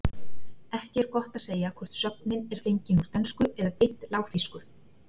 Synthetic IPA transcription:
ɛhcɪɛɾkɔht̪aseːjakʰvɔr̥t̪sœpnɪnɛɾ̥feɲcɪnuɾ̥t̪ʰœnskʏɛðapɪh̪t̪laːwxθiskʏɾ̥

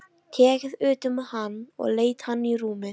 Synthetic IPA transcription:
t̪ʰɛːkɪðʏːt̪ʏmɛðhanːɔ̰ɣleːjt̪hanːiɾuːmɪ

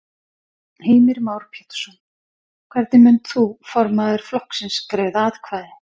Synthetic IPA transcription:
heːjmɪɾmaːwɾpʰjɛt̪sɔn | kʰvɛɾt̪nɪmʏnt̪θufɔɾmaðɪɾ̥flɔhksɪnskɾeːðaːðkʰvaːjðɪ

